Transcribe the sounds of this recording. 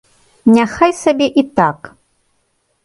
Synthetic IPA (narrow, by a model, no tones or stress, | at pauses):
nʲaxajsabʲeʔit̪ak